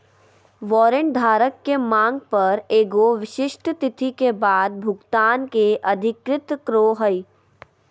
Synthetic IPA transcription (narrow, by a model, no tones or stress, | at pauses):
ʋɔːɾəɳʈ̚d̪ʱaːɾəkːemãːŋɡ̚pɐɾeːɡoʋɪʃɪʃʈʰət̪ɪt̪ʰikebaːd̪̚bʱʊɡt̪aːnkeʔɐd̪ʱɪkɾɪt̪kɾoːɦəi